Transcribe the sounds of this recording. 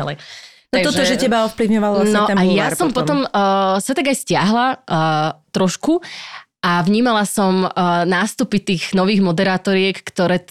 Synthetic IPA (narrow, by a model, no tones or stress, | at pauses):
alɛnɔtʒɔʒɛcɛbaɔfpliʊɲɔʋalʋlanɛɔɛajasɔmpɔt̪ɔmːsat̪aɡajscɪaɦla | t̪ɾɔʃkuʔaʋɲiːmalasɔmnaːst̪upit̪iːɣnɔʋiːɣmɔd̪ɛɾaːt̪ɔɾɪɛkːt̪ɔɾɛː